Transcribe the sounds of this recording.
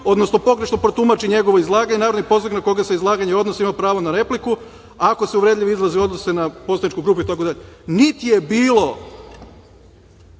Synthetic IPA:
o̞d̪no̞sno̞po̞ɡɾe̞ʃno̞pɾot̪umat͡ʃiɲe̞ɡo̞ʋo̞izlˠaːɡaɲe̞naɾaʋnoijpo̞zoɡnako̞ɡaseizlˠaːɡaɲeo̞d̪nosimapɾaːʋonaɾe̞pliku | ako̞seuʋɾe̞d̪ʎʲiʋiizlˠazio̞d̪nose̞napo̞sanit͡ʃkuɡɾuːp̬uit̪akod̪aʎenit̪ije̞biːlo̞

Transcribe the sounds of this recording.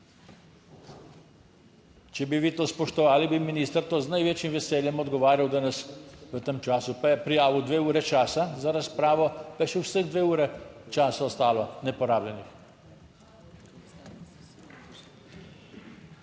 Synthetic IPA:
t͡ʃɛbiʋiːt̪oːspɔʃt̪ɔʋaːlibiminiːst̪əɾt̪oznajʋeːt͡ʃimʋɛseːljɛmɔd̪ɡɔʋaːɾjawd̪anasʋət̪emt͡ʃaːsupɾijaːʋud̪ʋeːuːɾɛt͡ʃaːsazaɾaspɾaːʋɔpajʃɛwsəɣd̪ʋeːuːɾɛt͡ʃaːsaɔst̪aːlɔnɛpɔɾaːblʲjɛnix

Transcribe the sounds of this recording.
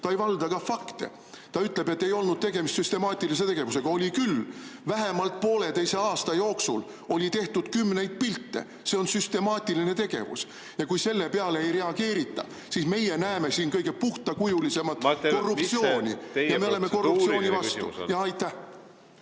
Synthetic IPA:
t̪ɑejvɑld̪ɑkɑfɑkt̪e̞̰ | t̪ɑyt̪ˑle̞be̞t̪ːe̞jo̞lnud̪̥̚t̪e̞ɡe̞mist̪syst̪e̞mɑːt̪ʲːˑilis̬e̞t̪e̞ɡ̥e̞vuse̞ɡ̥ɑo̞lʲikylvæɦe̞mɑlt̪̚po̞ːle̞t̪e̞jse̞ɑːst̪ɑjo̞ːksṵl | o̞lʲit̪e̞ht̪ud̪̥kymːne̞jd̪̥̚pilt̪ːe̞̰ | se̞o̞nsyst̪e̞mɑːt̪ʲːˑiline̞t̪e̞ɡ̥e̞̰vṵs | jɑkujse̞lːe̞pe̞ɑleejɾe̞ɑɡ̥e̞ːɾit̪ːɑ̰ | siːsme̞je̞næeme̞siːnkɤjɡ̥e̞puht̪ɑkujulise̞mɑt̪ːˑko̞rːup̚t̪sioːnʲijɑme̞o̞le̞meko̞rːupt̪sio̞ːnʲivɑt̪ṵjɑɑjt̪ːæh

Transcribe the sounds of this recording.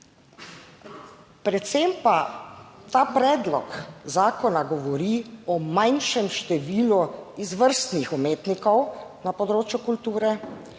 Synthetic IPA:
pɾɛt̪sempat̪aːpɾɛːd̪lɔkzaːkɔnaɡɔʋɔɾiːɔmajnʃɛmʃt̪ɛʋiːluizʋəɾst̪nixɔmeːt̪nikɔwnapɔd̪ɾoːt͡ʃjukult̪uːɾɛ

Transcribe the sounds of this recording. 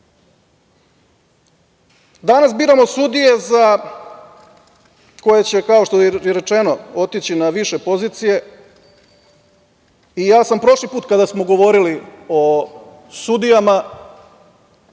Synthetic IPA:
d̪anasbiːɾamo̞sud̪ije̞za | ko̞jet͡ɕe̞kao̞ʃt̪ojeɾe̞t͡ʃe̞no̞o̞t̪it͡ɕinaʋiʃe̞po̞ziːt̪sije̞ | ijaːsampɾo̞ʃlipuːt̪̚kad̪asmo̞ɡo̞ʋo̞ɾilio̞ | sud̪ijama

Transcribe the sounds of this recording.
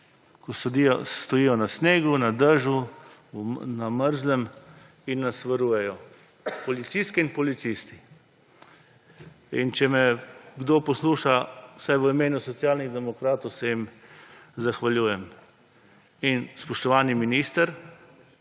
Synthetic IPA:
kɔsist̪ɔjiːjɔnasneːɡunad̪əʒu | naməɾzlɛm | inːasʋəɾuːjɛjɔ | pɔlit̪sist̪kɛinpɔlit̪sist̪i̥ | int͡ʃɛmɛɡd̪oːpɔsluːʃawsajʋəimeːnusɔt̪sjaːlniɣd̪ɛmɔkɾaːt̪ɔwsɛjim | zaxʋaljuːjɛm | inspɔʃt̪ɔʋaːniminiːst̪əɾ

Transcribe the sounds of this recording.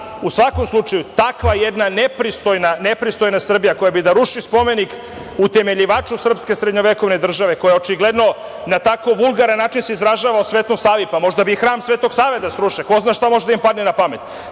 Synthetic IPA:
usʋako̞mslˠut͡ʃajut̪akʋajed̪nanepɾist̪ojnanepɾist̪o̞jnasr̩bijako̞jabid̪aɾuʃispo̞me̞nik | ut̪e̞me̞ʎiʋaːt͡ʃusr̩pske̞sɾe̞d̪ɲo̞ʋeko̞ʋne̞d̪r̩ʒaʋe̞kojeo̞t͡ʃiɡle̞d̪no̞ | nat̪akoʋulˠɡaɾanːaːt͡ʃinseizɾaʒaːʋaosʋeːt̪nusaːʋipamo̞ʒd̪abixɾaːmsʋet̪oɡ̥saːʋe̞t̪asɾuʃiko̞znaʃt̪amo̞ʒed̪aimpad̪nenapamet̪

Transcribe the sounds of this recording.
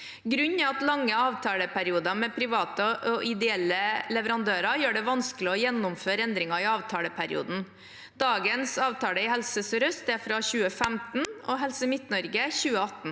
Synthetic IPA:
ɡɾʉɲːɛɑt̪lɑŋːəɑːʋt̪ʰɑːləpʰæɾɪuːd̪ɑmɛpʰɾɪʋɑːt̪əʔɔʔɪd̪ɛɛlːəlɛʋəɾɑnd̪øːɾɑjøːɖɛʋɑnskəlɪɔjɛnːʊmføːɾəɛnd̪ɾɪŋɑɪɑːʋt̪ʰɑːləpʰæɾɪ̰ṵːd̪n̩ | d̪̥ɑːɡənsɑːʋt̪ʰɑːləɪhɛlsəsɾœst̪æɾfɾɑçʉːəfæmt̪n̩ɔɦɛlsəmɪt̪nɔɾɡəçʉːəɑt̪n̩

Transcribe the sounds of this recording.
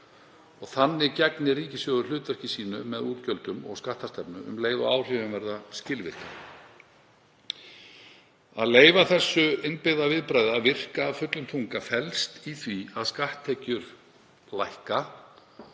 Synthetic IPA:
ɔɣθanːɪcɛknɪriːcɪsjɔːɣðʏɾlʏːt̪var̥cɪsiːnʏmɛðuːt̪cœlt̪ʏmɔ̰ɣskaht̪ast̪ɛpnʏʏ̰mleːjvaaːwr̥ɪvɪnvɛɾðascɪlvɪr̥ka | aðleːjvaθɛsːʏɪnpɪɣðavɪðpɾaːjðavɪr̥kaːvfʏt̪lʏmt̪ʰuŋkafɛlst̪iθviaðskaht̪ʰːɛcʏɾ | lajhka

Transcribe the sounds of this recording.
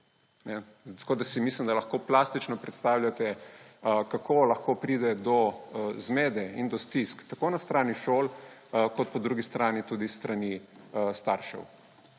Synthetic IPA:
nɛ | t̪kod̪asimislimd̪alɐxkoːplaːst̪it͡ʃnɔpɾɛt̪st̪awlʲjat̪ɛ | kakʰolɐxkopɾiːd̪ɛd̪ɔzmeːd̪ɛind̪ɔst̪iskt̪akoːnast̪ɾaːniʃoːlkɔt̪̚pɔd̪ɾuːɡist̪ɾaːnit̪ud̪ist̪ɾanist̪aɾʃɛ̰w

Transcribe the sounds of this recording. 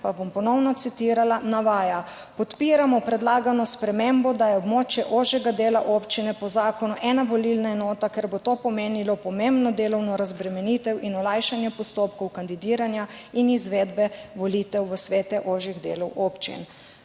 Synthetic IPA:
pabompɔnɔwnɔt̪sit̪iːɾalanaʋaːja | pɔt̪piːɾamɔpɾɛd̪laːɡanɔspɾɛmembɔd̪ajɛɔbmoːt͡ʃjɛʔoʒjɛɡad̪eːlaʔopt͡ʃinɛpɔzaːkɔnuʔɛnaʋɔlilnaɛnɔːt̪akeɾbot̪oːpɔmeːnilɔpɔmembnɔd̪eːlɔwnɔɾazbɾɛmɛnit̪ɛwʔinɔlajʃanjɛpɔst̪oːpkɔwkand̪id̪iːɾanjainizʋeːd̪bɛʋɔlit̪ɛwʋəsʋeːt̪ɛʔoʒiɣd̪ḛːlɔwʔoːpt͡ʃḭn

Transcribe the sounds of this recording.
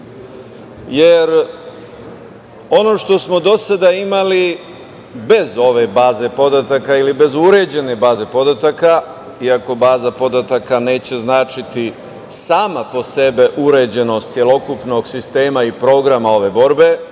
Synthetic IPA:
je̞ɾ | o̞no̞ːʃt̪o̞smo̞d̪o̞sad̪aimali | be̞zo̞ʋe̞baːze̞po̞d̪at̪akailibe̞zuɾe̞d͡ʑe̞ne̞baːze̞po̞d̪at̪aka | iako̞baːzapo̞d̪at̪akane̞ːt͡ɕe̞znaːt͡ʃit̪i | saːmapo̞se̞beʔuɾe̞ːd͡ʑe̞no̞st̪sje̞lo̞kupno̞ɡsist̪e̞ːmaipɾo̞ːɡɾamao̞ʋe̞bo̞ɾbe̞

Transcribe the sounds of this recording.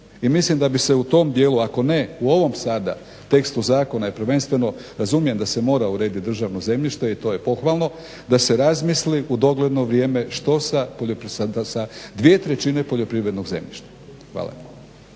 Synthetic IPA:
imislimd̪abise̞ut̪o̞md̪je̞ːlˠuako̞ne̞uo̞ʋo̞msaːd̪a̰ | t̪e̞kst̪uzaːko̞naje̞pɾ̩ʋe̞nst̪ʋe̞noɾazumije̞md̪ase̞mo̞ːɾauɾe̞ːd̪it̪d̪r̩ʒaʋno̞ze̞mʎiʃt̪e̞it̪o̞ːjepo̞xʋalˠno̞ | d̪ase̞ɾazmisliʔud̪o̞ɡle̞d̪no̞ʋɾje̞ːme̞ʃt̪o̞sapoʎopsasad̪ʋie̞t̪ɾe̞t͡ʃine̞po̞ʎo̞pɾiʋɾed̪no̞ɡze̞̰mʎiʃt̪ḁ | xʋa̰ːla̰

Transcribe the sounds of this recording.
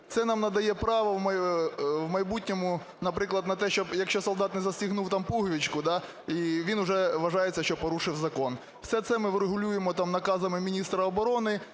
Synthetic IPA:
t̪sɛnɑmnɐd̪ɐjɛpɾɑʋɐwmɐjwmɐjbutʲnʲɔmʊ | nɐpɾɪklˠɐd̪nɐt̪ɛʃt͡ʃɔbjɐkʃt͡ʃɔsɔlˠd̪ɑt̪nɛzɐsʲtʲiɦnuwt̪ɑmpuɦʋʲit͡ʃkʊd̪ɑ | iʋʲinʊʐɛʋɐʒɑjet͡sʲːɐʃt͡ʃɔpɔɾuʂɪwzɐkɔn | wsɛt̪sɛmɪwɾeɦʊlʲujemɔt̪ɑmnɐkɑzɐmɪmʲinʲist̪ɾɐɔbɔɾɔnɪ

